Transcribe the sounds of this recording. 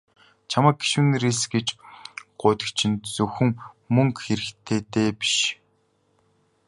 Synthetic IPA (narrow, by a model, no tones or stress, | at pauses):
t͡ɕʰamaəːk̚ɡe̥ʃuːneɾeːsɡet͡ɕɢ̥ʊːt̪ə̥̆kt͡ɕʰɪ̆nt̪t͡sɵxɘ̆ŋ | mɵŋkxeɾɘ̆xt̪ʰeːt̪eːpi̥ʃ